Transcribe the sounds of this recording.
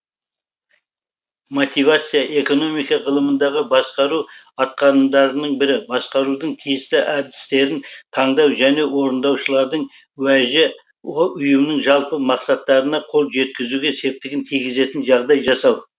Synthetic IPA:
mo̞t̪ijvat̪sɨijaʔe̞ko̞no̞mijkɑʁəlˠəmənd̪ɑʁəbɑsqɑɾuɑt̪̚qɑɾənd̪ɑɾənəɴbɪɾɪbɑsqɑɾud̪əɴt̪ʰijɪst̪ɪʔæɾd̪ɪst̪e̞ɾɪnt̪ʰɑɴd̪ɑwʒæne̞wo̞ɾənd̪ɑwʃəlˠɑɾd̪əɴ | wæʒɪ | ʊjəmnɪŋʒɑlˠpəmɑqsɑt̪ːɑɾənɑqʰo̞lˠʒe̞t̪̚kʲɪzuɡʲe̞se̞p̚t̪ɪɡʲɪnt̪ʰijɡʲɪze̞t̪ɪnʒɑʁd̪ɑjʒɑsɑw

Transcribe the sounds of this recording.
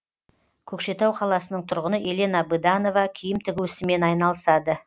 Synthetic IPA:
kʲʰɵkʃe̞t̪ɑwqʰɑlˠɑsənəɴt̪ʰʊɾʁənəʔe̞le̞nɑbɨd̪ɑno̞vɑkʲʰijɪmt̪ʰɪɡʲuɪsɪme̞nɑjnɑlˠəsɑd̪ə

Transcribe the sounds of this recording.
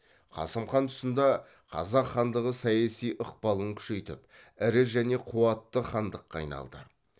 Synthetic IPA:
qʰɑ̰səmχɑnt̪ʰʊ̥sənd̪ɑ | qʰɑ̰zɑqχɑnd̪əʁəsɑjɑsijʔoq̚pɑlˠəŋkʲʰʏ̥ʃe̞jt̪ɪ̰pɪɾɪʒæne̞qʰuɑt̪ːəχɑnd̪əqːɑ̰jnɑ̰lˠd̪ə̰

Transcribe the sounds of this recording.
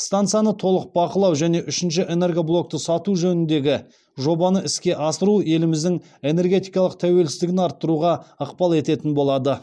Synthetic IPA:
st̪ant̪sɨjanət̪ʰo̞lˠəq̚bɑqəlˠɑwʒæne̞ʔʏʃɪnʃɪʔe̞ne̞rɡoblˠo̞k̚t̪əsɑt̪uʒɵnɪnd̪e̞ɡʲɪ | ʒo̞bɑnəɪskʲe̞ʔɑsəɾue̞lɪmɪzd̪ɪŋ | e̞ne̞rɡʲe̞t̪ijkɑlˠəq̚t̪ʰæwe̞lsɪzd̪ɪɡʲɪnɑɾt̪ːəɾuʁɑəqpɑlˠe̞t̪e̞t̪ɪnbo̞lˠɑd̪ə

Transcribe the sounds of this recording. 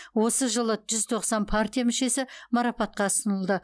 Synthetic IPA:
wo̞səʒəlˠəʒʏzt̪ʰo̞qsɑnpʰart̪ʲijamʏʃe̞sɪmɑɾɑpɑt̪̚qɑsənəlˠd̪ə

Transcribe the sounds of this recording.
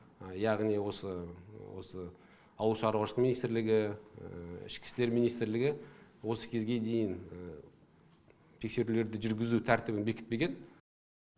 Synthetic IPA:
jɑʁnijwo̞səwo̞̰sə | ɑwəlˠʃɑɾwɑʃlˠəqminijst̪ɪɾlɪɡʲɪ | ɪ̰ʃkʲɪ̥st̪e̞ɾmijnijst̪ɪɾlɪɡʲɪwo̞sə̥kʲʰe̞zɡʲe̞d̪e̞jɪn | t̪ʰe̞kse̞ɾule̞ɾd̪ɪʒʏɾɡʲɪzut̪ʰæɾt̪ɪbɪnbe̞kʲɪt̪̚pe̞ɡʲe̞n

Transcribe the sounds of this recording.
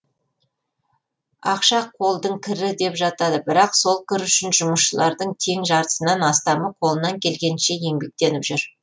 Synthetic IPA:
ɑqʃɑqʰo̞lˠd̪əɴkʲʰɪɾɪd̪e̞pʒɑt̪ɑd̪əbɪɾɑqso̞lˠkʲʰʏɾʏʃɪnʒʊməsʃəlˠɑɾd̪əɴt̪ʰe̞ŋʒɑɾt̪ə̥sənɑnɑst̪ɑməqʰo̞lˠənɑŋkʲʰe̞lɡʲe̞nʃe̞je̞ŋbe̞k̚t̪e̞nɪpʒʏɾ

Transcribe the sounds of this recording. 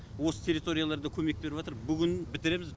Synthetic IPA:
wo̞sə̥t̪ʲʰe̞ɾit̪o̞ɾʲijalˠɑɾd̪əkʲʰɵme̞k̚be̞ɾɪpɑt̪əɾbʏɡʲɪnbɪt̪ɪɾe̞mɪz

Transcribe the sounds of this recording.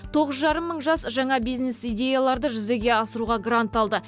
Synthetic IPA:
t̪ʰo̞ʁəzʒɑɾəmːəɴʒɑsʒɑɴɑbijzne̞sijdʲe̞jalˠɑɾd̪əʒʏze̞ɡʲe̞ɑsəɾuʁɑɡrant̪ɑlˠd̪ə

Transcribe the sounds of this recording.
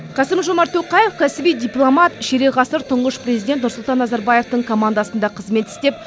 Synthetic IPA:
qʰɑsɪmʒomɑɾt̪ʰːoqɑje̞fkʰæsɪbijd̪ʲijplˠomat̪ʃeɾeʁɑsəɾt̪ʰʊɴʁəʃpɾe̞zijd̪ʲet̪nʊɾsʊlˠt̪ɑnːɑzɑɾbaje̞ft̪əɴkʰo̞mand̪asənd̪ɑqʰəzme̞t̪ɪ̥st̪e̞p̚

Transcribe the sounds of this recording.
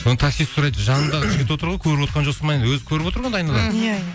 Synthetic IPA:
onət̪ʰɑsissʊɾɑjt̪ʒɑnənd̪ɑʁəʒɪɡʲɪt̪wo̞t̪əɾʁojkʲʰɵɾɪpot̪qɑnʒosəmɑjed̪wɵzɪ̥kʲʰɵɾɪpwo̞t̪əɾʁɑnd̪ɑjnɑlˠɑjæ

